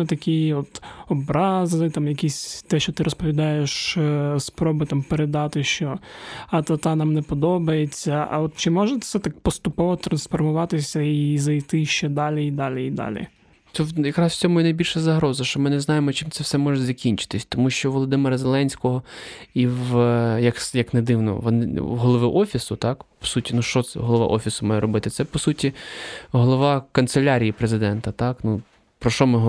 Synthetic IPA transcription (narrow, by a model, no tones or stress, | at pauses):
ɛt̪ɐkʲijiɔt̪ɔbɾɑzɪt̪ɑmjɐkʲisʲt̪ɛʃt͡ʃɔt̪ɪɾʔɔspɔʋʲid̪ɑjeʃspɾɔbɪt̪ɑmpeɾed̪ɑt̪ɪʃt͡ʃɔɐt̪ɐt̪ɑnɑmnɛpɔd̪ɔbɐjet͡sʲːɐʔɐ̰ɔt̪̚t͡ʃɪmɔʒɛt̪sɛt̪ɑk̚pɔst̪ʊpɔʋɔt̪ɾɐnsfɔrmʊʋɑt̪ɪsʲɐizɐjt̪ɪʃt͡ʃɛd̪ɑlʲiid̪ɑlʲiid̪ɑ̰lʲḭ | t̪ɛwjɐkɾɑsw̥t͡sʲɔmʊjɛnɐjbʲilʲʃɐzɐɦɾɔzɐʃt͡ʃɔmɪnɛznɑjemɔt͡ʃɪmt̪sɛwsɛmɔʒɛzɐkʲinʲt͡ʃɪ̥t̪ɪsʲt̪ɔmuʃt͡ʃɔʋɔlˠɔd̪ɪmɪɾɐzelˠɛnʲsʲkɔɦɔiwjɐksjɐkned̪ɪwnɔ̰ʋɔnɪɦɔlˠɔʋɪʔɔfʲisʊt̪ɑkpɔ̥sutʲinuʃt͡ʃɔɛ̰ɦɔlˠɔʋɑ̰ʔɔfʲisʊmɑjɛɾɔbɪt̪ɪt̪sɛpɔsutʲiɦɔlˠɔʋɑkɐnt̪selʲaɾʲijipɾezɪd̪ɛnt̪ɐt̪ɑknu | pɾɔʃɔmɪɦ